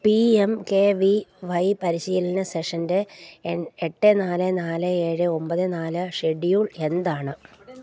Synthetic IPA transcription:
piemkeːʋiʋɐjpɐɾiɕiːlɐnɐse̞ʂɐndeeneʈːenaːlɨnaːlɨeːɻɨo̞mpɐðɨnaːlɨʂeɖjuːɭe̞nd̪aːɳɨ

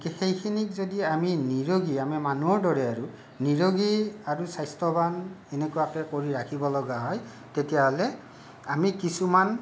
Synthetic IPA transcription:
kɛxejkʰinikzodiaminiɹoɡiamimanuɔɹdɔɹɛaɹu | niɹoɡiaɹusajstɔbanenekujakɛkoɹiɹakʰibɔlɔɡaɦɔj | tetijaɦɔlɛ | amikisuman

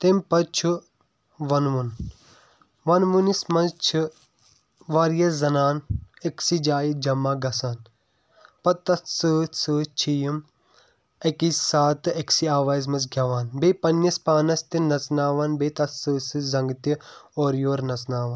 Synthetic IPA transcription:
t̪empɐt͡ʃʰu | ʋɐnʋun | ʋɐnʋunismɐzt͡ʃʰi | ʋaːɾjɐszɐnaːneksid͡ʒaːjid͡ʒɐmːaːɡɐsaːn | pɐt̪ːɐtsɨːsɨt͡ʃʰijum | ekissaːt̪ɨeksiaːʋaːzmɐsɡʱʲɐʋaːnbeːpɐnːispaːnɐst̪inɐt͡snaːʋaːnbeːt̪ɐtsɨːsɨzɐŋɡt̪ioːɾjoːɾnɐt͡snaːʋɐːn

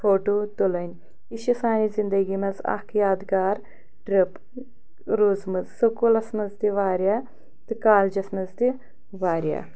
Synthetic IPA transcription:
foːʈoːt̪ulɐnʲ | iʃisaːnizind̪ɐɡimɐzɐ̰kʰjaːd̪ɡaːɾ | ʈɾip | ɾuːzmɐzsukulɐsmɐzd̪iʋaːɾja | t̪ɨkaːld͡ʒɐsmɐzd̪i | ʋaːɾja̰ː

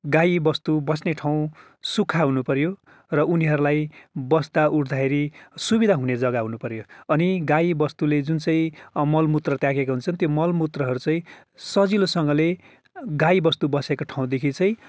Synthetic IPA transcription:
ɡajbʌst̪ubʌsneʈʰaw̃ | sukʰaɦunupʌrjo | rʌʔuniɦʌɾulajbʌst̪aʔuɾd̪ʱaɦeɾisubid̪ʱaɦuned͡zʌɡaɦunupʌrjoʌniɡajibʌst̪uled͡zunt͡sʌĩmʌlmut̪rʌt̪jãkekaɦunt͡sʰʌnt̪jomʌlmut̪rʌɦʌɾut͡sʌĩ | sʌd͡zilosʌŋɡʌle | ɡaibʌst̪ubʌsekoʈʰaw̃d̪ekʰit͡sʌ̃ĩ

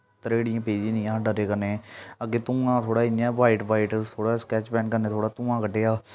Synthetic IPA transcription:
t̪ɾeːɽɪjãːpeːd͡ʒĩːnĩːãːɖəɾeːkəɾneːəɡeːt̪ũːãːt̪ʰoːɽaːinjãːʋaːiʈʋaːiʈt̪ʰoːɽaːskɛːt͡ʃpɛːnkəɾneːt̪ʰoːɽaːt̪ũːãːkəɖeːaː

